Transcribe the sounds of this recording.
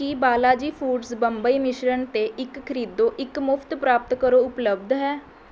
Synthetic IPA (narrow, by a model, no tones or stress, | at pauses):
kiːbaːlaːd͡ʒiːpʰuːɖsbəmbəiːmɪʃɾənt̪eːʔɪkːʰəɾiːd̪oːʔɪkmʊpʰt̪pɾaːp̚t̪kəɾoːʊpləb̚d̪ʱɦɛː